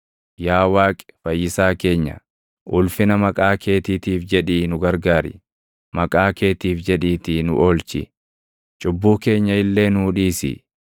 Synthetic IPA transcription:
jaːwaːkʼɛ̥fɐjːɪsaːke̞ːɲːɐ̰ | ʔʊlfɪnɐmɐkʼaːkʰe̞ːt̪iːt̪iːfd͡ʒɛᶑiːnʊɡɐɾɡaːɾɪ̰ | mɐkʼaːke̞ːt̪iːfd͡ʒɛᶑiːt̪inʊ̰ʔoːlt͡ʃɪ̰ | t͡ʃʼʊbːuːke̞ːɲːɐɪlːe̞ːnʊːᶑiːsɪ̰

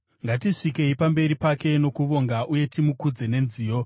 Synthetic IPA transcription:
ŋɡatiʂike̞ipambe̞ɾipake̞no̞kuʋo̞ŋɡaʔuje̞timukud͡ze̞ne̞nziːjo̞

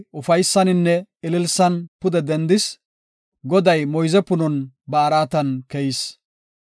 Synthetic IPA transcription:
ʊfɐjsːɐnɪnːɛɪlɪlsɐnpʊd̪ɛd̪ɛnd̪ɪs | ɡɔd̪ɐjmɔjzɛpʊnɔn | bɐːɾaːt̪ɐnkɛjɪs

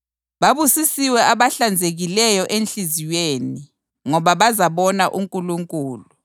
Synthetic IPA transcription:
ɓaɓusisiwɛaɓaɬand͡zʱeɣ̬ilɛjɔʔenɬiziweːni | ŋɔɓaɓazaɓɔnaʔuŋkʼuluŋkʼuːlu

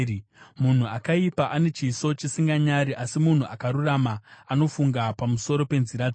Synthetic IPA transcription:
mun̤uakaipaʔane̞t͡ʃiso̞t͡ʃisiŋɡaɲaɾiʔasimun̤uakaɾuramaːno̞fuŋɡapamuso̞ɾo̞pe̞nziɾad͡z

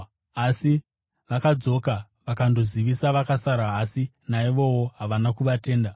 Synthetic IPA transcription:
asi | ʋakad͡zo̞ka | ʋakando̞ziʋisaʋakasaɾaːsi | naiʋo̞wo̞ɦaʋanakuʋate̞ːnda

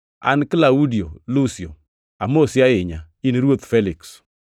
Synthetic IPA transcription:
a̰nkɪlaudiolusjo̰ | amosjaɪɲa | iniɾwot̪fɛliks

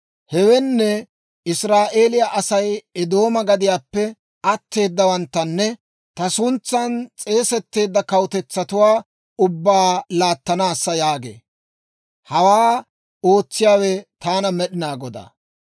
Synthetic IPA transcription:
hɛwɛnːɛ | ɪsɾaːʔe̞ːlɪjaʔɐsɐjɛd̪o̞ːmɐɡɐd̪ɪjaːpːɛ | ɐt̪ːe̞ːd̪ːɐwɐnt̪ːɐnːɛ | t̪ɐsʊnt͡sːɐnt͡sʼe̞ːsɛt̪ːe̞ːd̪ːɐkɐwt̪ɛt͡sːɐt̪ʊwaː | ʊbːaːlaːt̪ːɐnaːsːɐjaːɡḛː | hɐwaː | o̞ːt͡sːɪjaːwɛt̪aːnɐmɛɗɪnaːɡɔd̪a̰ː

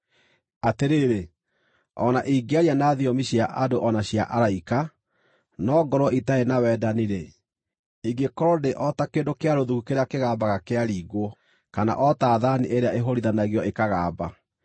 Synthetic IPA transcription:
ateɾeːɾe | ɔ̰naʔiːɡeaɾianaːðiɔmiɕjaʔadoʔɔnaɕjaʔaɾaika | nɔːɡɔɾwɔʔitaenawɛːdaniɾe | iɡekɔɾɔdeʔɔtakeːndokeaɾoðukukeɾakeɣaːbaɣakeaɾiːɣwɔ | kana̰ʔɔtaːðaniʔeɾeaʔeɦoɾiðanaɣiɔekaɣaːba

